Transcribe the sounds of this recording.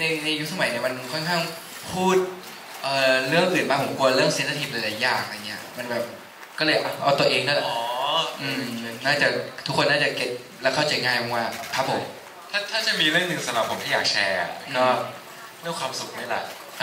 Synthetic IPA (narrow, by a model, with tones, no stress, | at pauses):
na˧jna˧ju˦˥s̬a˧ma˨˩˦jni˥˩ɐma˧nkʰɔ˥˩nkʰaː˥˩ŋ | pʰuː˥˩t̪̚ | ʔɤː˨˩ɾɯ˥˩əŋʔɯː˨˩nmaː˧˩pʰo˨˩˦ku˧ɐɾɯ˥˩əŋsi˨˦nsʰa˧t̪ʰi˨˩t̪̚ʔa˨˦laː˨˧˩jːaː˨˩ŋla˧ŋːi˦˥ɐ˧˩ma˧nbɛː˨˩p̚ | kɔː˥˩lɤː˧jʔa˧˦ʔa˧wt̪u˧ʔeː˧ŋdɯː˥˩lɛ˨˩ʔːʔɯː˧mnaː˥˩t͡ɕa˨˩t̪ʰu˦˥kʰːo˧nːaː˥˩t͡ɕa˨˩ke˨˩t̪̚ | lɛ˦˥wkʰa˥˩wt͡ɕa˧jŋaː˧jkʰɔ˧˩ŋwaː˥˩kʰa˦˥p̚ʰːo˨˩˦m | t̪ʰaː˥˩t̪ʰaː˥˩t͡ɕa˨˩miː˧ɾɯ˥˩əŋnɯ˨˧ŋsa˧mɾa˨˩pʰːo˨˩˦mt̪ʰi˥˩jaː˨˩k̚t͡ɕʰɛ̰ː˧a̰˨˩nɔ˦˥ | ɾɯ˥˩əŋkʰwaː˧msu˨˩k̚ni˥˩lɛ̰˨˩ʔ